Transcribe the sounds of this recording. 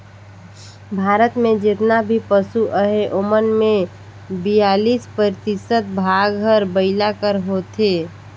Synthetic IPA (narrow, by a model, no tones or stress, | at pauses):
bʱaːɾət̪mẽd͡ʒɪt̪nabʱipəsuʔəɦeʔomənmẽ | bijaːliːspɾəɾɪt̪isət̪̚bʱaːɡɦəɾbəɪlakəɾɦot̪e